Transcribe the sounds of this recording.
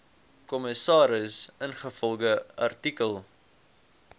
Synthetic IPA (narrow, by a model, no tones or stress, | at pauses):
kɔməsɑːɾəsənχəfɔlˠɡəɐrtikəlˠ